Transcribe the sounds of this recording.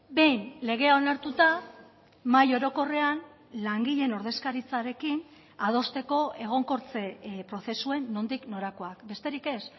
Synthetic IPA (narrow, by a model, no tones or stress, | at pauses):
be̞jnle̞ɣ̞e̞ao̞naɾt̪ut̪a | majo̞ɾo̞ko̞re̞an | laŋɡiʎe̞no̞ɾðe̞skaɾit͡saɾe̞kin | að̞o̞st̪e̞ko̞e̞ɣ̞o̞ŋko̞ɾt͡se̞pɾo̞θe̞sue̞nːo̞nd̪ikno̞ɾako̞akbe̞st̪e̞ɾike̞s